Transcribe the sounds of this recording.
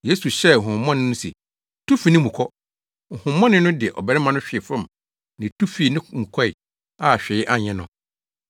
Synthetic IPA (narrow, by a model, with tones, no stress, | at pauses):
je˦su˨ɕɛ˦˨ɦʊ̃˨˦mːɔ̃˦nɪ̃˦nʊ̃˦sḛ˨ | tʰu˦fi˨nɪ̃˦mũ˨kʰɔ˦ | ŋ̩˨hʊ̃˨mːɔ̃˦nɪ̃˦nʊ̃˦dɪ˨ɛ˨ʔɔ̰˨bɛ˨ɾɪ˦mã˦nʊ̃˦ɕᶣɪ˨ɛ˨fɾʊ̃˦˨m˨ | nɪ̃˨tʰu˦fi˨nɪ̃˦mũ˨kʰɔ˦ɪ˨ | a˨ɕᶣɛ˨ɪ˦ʔa˦ɲɛ̃˨nʊ̃˨